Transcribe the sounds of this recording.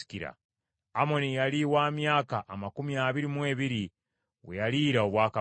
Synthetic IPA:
i̥kiɾa̰ | amo̞nijaliwaːmjaːkaʔːmakumiaβiɾimwe̞ːβiɾi | wḛjaliːɾao̞βwaːka

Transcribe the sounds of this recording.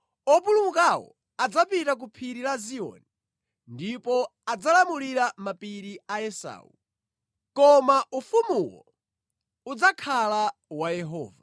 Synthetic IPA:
ɔpulumukawɔ̰ | ad͡zapitak̬upʰiɾilaziɔ̰ni | ndipɔad͡zalamuliɾamapiɾiajɛsa̰ːṵ | kɔmaʔufumuwɔ̰ | ud͡zakʰalawajɛɦɔ̰ːva

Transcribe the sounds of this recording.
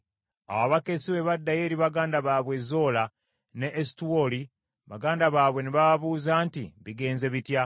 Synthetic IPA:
a̰waβake̞siβe̞βadːaje̞ːɾiβaɡaːndaβaːβwe̞zo̞la | ne̞ʔːsi̥tuwoli | βaɡaːndaβaːβwe̞neβaβaβuːzaːntiβiɡe̞ːnze̞βitja

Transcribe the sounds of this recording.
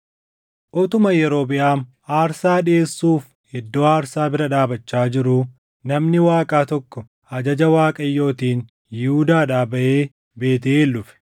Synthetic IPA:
ʔɔt̪ʊmɐjɛɾo̞ːbɪʔaːm | aːɾsaːᶑɪeːsːuːf | hɛd̪ːoːaːɾsaːbɪɾɐᶑaːbɐt͡ʃːaːd͡ʒɪɾʊ | nɐmnɪwaːkʼaːt̪ɔkːɔ | ɐd͡ʒɐd͡ʒɐwaːkʼɐjːo̞ːt̪iːn | jɪhud̪aːᶑaːbɐʔeː | be̞ːt̪̬ɪeːlːʊfɛ̥

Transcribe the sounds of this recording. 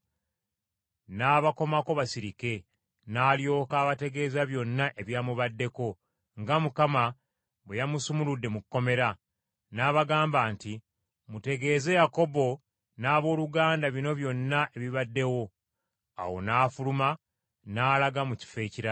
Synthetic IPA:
naːβako̞mako̞βasiɾike̞ | naːljo̞ːkaːβate̞ɡe̞ːzaβjo̞nːaʔe̞βjaːmuβadːe̞ko̞ | ŋɡamukama | βwejamusumuludːe̞mukkːo̞me̞ɾa | naːβaɡaːmbaːnti | mute̞ɡe̞ːze̞jako̞bo̞ | naːβo̞ːluɡaːndaβino̞βjo̞nːaʔe̞βiβadːe̞wo̞ | a̰wo̞̰naːfuluma | naːlaɡamuci̥fe̞ːciɾa

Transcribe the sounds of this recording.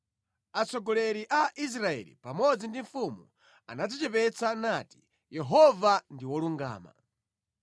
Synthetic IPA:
at͡sɔɡɔlɛɾiʔaʔis̬ɾaɛ̰lḭpamɔd͡zindiɱfumu | a̰nad͡zit͡ʃɛpɛt͡sanati̥ | jɛɦɔvandiwɔluŋɡa̰ːma̰

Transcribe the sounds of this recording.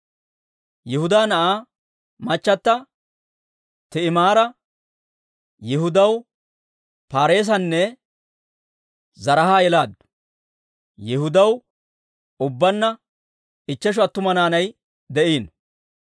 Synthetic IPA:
jɛhʊd̪aːnɐʔaː | mɐt͡ʃːɐt̪ːɐ | t̪ɛɪmaːɾɐ | jɛhʊd̪ɐw | paːɾe̞ːs̬ɐnːɛ | zɐɾɐhaːjɛlaːd̪ | jɛhʊd̪ɐw | ʊbːɐnːɐ | ɪt͡ʃːɛʃ̬ɔɐt̪ːʊmɐnaːnɐj | d̪ɛʔiːn

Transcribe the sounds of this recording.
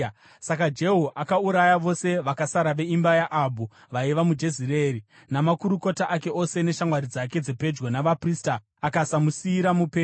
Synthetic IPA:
sakad͡ʒe̞ɦoʔakauɾajaʋo̞se̞ʋakasaɾaʋe̞imbajaʔabʱu | ʋaiʋamud͡ʒe̞ziɾe̞ːɾi | namakuɾuko̞taʔake̞o̞se̞ne̞ʃamwaɾid͡zake̞d͡zepe̞d͡ʒɡonaʋaprista | akasamusiːɾamupeː

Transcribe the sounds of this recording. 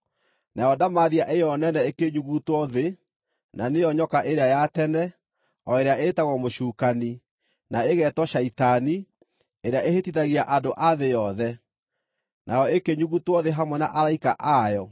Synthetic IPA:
nʔajɔdamaðiaʔejɔnɛnɛekeɲuɣutwɔðe | nanejɔɲɔkaʔeɾeajatɛnɛ | ɔeɾeaʔetaɣɔmoɕuːkani | naeɣɛtwɔʃaitani | eɾeaʔehetitaɣiaʔadoʔaðejɔðɛ | nʔajɔekeɲuɣutwɔðeɦamwɛna̰ʔaɾaikaʔajɔ

